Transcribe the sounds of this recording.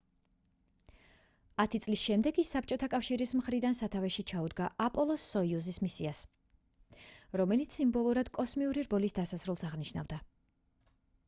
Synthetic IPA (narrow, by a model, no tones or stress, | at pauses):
at̪ʰit̪sʼlisʃɛmd̪ɛɡisːap̚ʰt͡ʃʼɔt̪ʰakʼafʃiɾismχɾid̪ansat̪ʰavɛʃit͡ʃʰaud̪ɡaʔapʼɔlˠɔsːɔiuzismisias | ɾɔmɛlit̪simbɔlˠuɾad̪̥kʼɔsmiuɾiɾbɔlisd̪asasɾulˠsaʁniʃna̰vd̪a